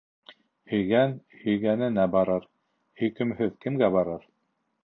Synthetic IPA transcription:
ɵ̆jɡænɵ̆jɡænɘnæbɑɾɤɾ | ɵ̆jkɘ̆mhɵðkɘ̆mɡæbɑɾɤɾ

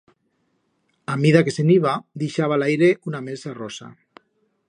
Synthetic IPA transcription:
amiðakeseniβad̪iʃaβ̞alajɾeʔunamesarosa̰

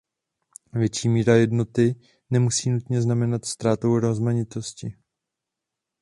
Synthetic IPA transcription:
vjɛt͡ʃiːmiːɾajɛdno̞t̪ɪ | nɛmusiːnut̪ɲɛznamɛnat̪st̪ɾaːt̪owɾozmaɲɪt̪o̞scɪ

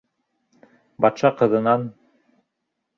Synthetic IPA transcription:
bɑt̪ʃɑqɤ̆ðɤ̆nɑn

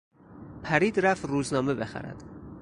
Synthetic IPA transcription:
pʰæɾiːd̪ɾæft̪ɾuːznɒːme̞be̞xæ̰ɾæ̰d̪̥

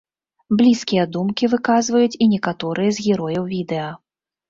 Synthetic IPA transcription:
blʲiskʲijɐd̪umkʲivɨkazvɐjut͡sʲinʲɛkat̪ɔɾɨjɐzɣʲɛɾɔjɐwvʲid̪ɛɐ

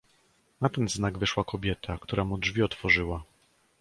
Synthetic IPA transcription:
nat̪ɛnznaɡvɘʂwakɔbʲjɛt̪ʰakt̪uɾʔamudʐvʲiɔt̪fɔʐɘwa

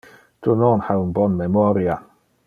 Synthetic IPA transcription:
d̥ʊnɔːnhawnbɔnmɛmɔɾja

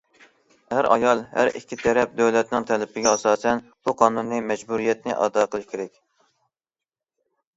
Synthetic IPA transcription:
hæɾɑ̰jɑlˠhæ̰ɾikʲʰːit̪ʰɛɾɛp̚d̪øwlɛt̪nɪŋt̪ʰɛlɪpɪɡʲɛɑsɑːsɛn | b̥uqʰɑːnunːɨmɛd͡ʒbuɾijɛt̪nɪʔɑ̰d̪ɑqʰəlˠɨʃkʲʰeɾɛkʲ

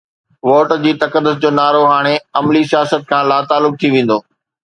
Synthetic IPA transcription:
ʋoːʈd͡ʑiːt̪ɐkəd̪ːʊsd͡ʑoːnaːɾoɦaːɽ̃eɐmlisijaːsət̪̚kʰãːlaːt̪aːlːʊk̚t̪ʰiʋẽːn̆d̪oː

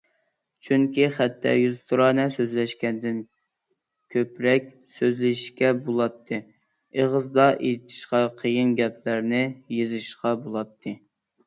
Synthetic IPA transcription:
t͡ʃʰyŋkʲiχæt̪ʰːɛ̰jyzt̪ʰuɾɑnɛsøzlɛʃkʲɛnd̪ɪn | kʲʰøpɾɛkʲ | søzlɪʃkʲɛbolˠɑt̪ʰːɨ | eʁəzd̪ɑʔet̪ʰi̥ʃqɑqʰəjɨnɡʲɛplæɾnɪjezɨʃqɑbolˠɑt̪ʰːɨ

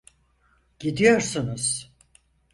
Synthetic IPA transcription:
ɟ̥id̪ijoɾsɯnɯz̥

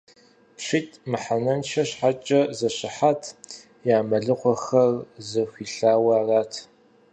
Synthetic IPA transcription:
pɕʷitʼmɨħanɐnʃʰɐɕħat͡ʃʼɐzɐɕɪħatʰ | jaːmɐɮɨqʷɔxɐrzɨxʷiːɬaːwɐːraːtʰ

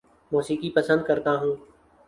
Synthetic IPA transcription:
moːsiːkipəsə̃nd̪̚kəɾt̪aːɦũː

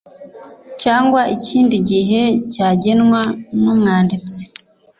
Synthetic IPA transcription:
caːŋɡwaʔiciːndiɟiɦe̞caːɟenŋwanumŋaːndit͡se̥

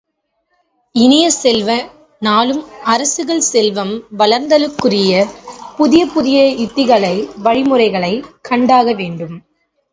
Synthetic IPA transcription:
ɪnɪjɐsɛlʋɐ | naːlɯmɐɾɐsɯɣɐɭsɛlʋɐmʋɐlɐɾnd̪ɐlɯkːɯrɪjɐpʊðɪjɐpʊðɪjɐɪt̪ːɪɣɐɭɐɪʋɐɻɪmɯrɐɪɣɐɭɐɪkʰːɐɳɖaːɣɐʋeːɳɖɯm

